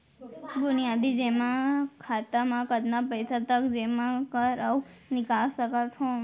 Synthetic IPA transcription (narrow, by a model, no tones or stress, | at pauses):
ɡʊnijad̪id͡ʒemãkʰat̪amãkəd̪napəjsat̪əkd͡ʒemãkəɾəunɪkalsəkat̪ɦõ